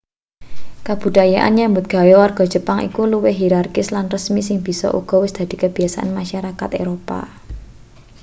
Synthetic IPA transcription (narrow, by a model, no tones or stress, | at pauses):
kab̥ṳd̥̪ajaʔa̰nɲambʊt̪̚ɡ̥a̤jɔwarɡ̥ɔ̤d̥ʒ̥ə̤paŋʔḭkuluwɪɦiɾarkɪslanrəsmisɪŋb̥i̤sɔ̰ʔṵɡ̥ɔ̤wɪsd̪̥a̤d̪̥i̤kəb̥i̤asaʔa̰nmaʃaɾakat̪eɾopa̰